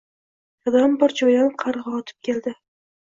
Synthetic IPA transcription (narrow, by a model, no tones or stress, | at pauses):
jɒd̪ambɒɾd͡ʒɒjanqʰɑɾʁɑɒt̪ʰɪ̥p̚kʲʰe̞ld̪ɪ